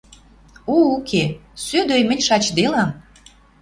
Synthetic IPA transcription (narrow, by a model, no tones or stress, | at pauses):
uukʰesød̪øjmə̆nʲʃɑt͡ɕd̪elɑm